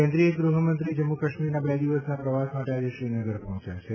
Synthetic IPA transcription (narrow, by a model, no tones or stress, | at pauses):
ɛ̃nd̪ɾiəɡɾuɦəmənt̪ɾid͡ʒəmːukəʃmiɾnabɛd̪iʋəsnapɾəʋasmaʈead͡ʒeʃɾinəɡəɾpɔɦɔ̃t͡ʃjat͡ʃʰe